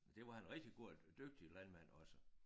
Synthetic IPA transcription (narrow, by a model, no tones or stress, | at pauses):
d̥e̝ʋɑ̈hænʁɛɡ̥̚d̥iɡ̥o̝d̥øɡ̥̚d̥ilænmæn̰ɒ̽sə